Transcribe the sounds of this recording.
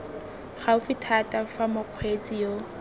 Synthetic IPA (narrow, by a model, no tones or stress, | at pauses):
χaʊfɪtʰatʼafamʊq͡χʰwet͡sʼijo